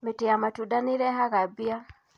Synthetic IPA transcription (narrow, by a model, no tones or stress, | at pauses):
metijamatudaniɾɛɦaɣabia